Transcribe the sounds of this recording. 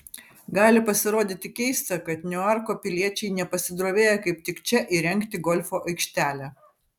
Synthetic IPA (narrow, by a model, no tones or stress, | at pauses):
ɡɑːlʲɪpɐsʲɪɾoːd̪ʲɪt̪ʲɪkʲɛɪst̪ɐkɐt̪nʲʊɐɾkoːpʲɪlʲiɛt͡ʃʲɛɪnʲɛpɐsʲɪd̪ɾoːʋʲeːjɛkɐɪp̚t̪ʲɪkt͡ʃʲɛʔɪɾʲɛŋkt̪ʲɪɡɔlʲfoːʔɐɪkʃʲt̪ʲæːlʲæ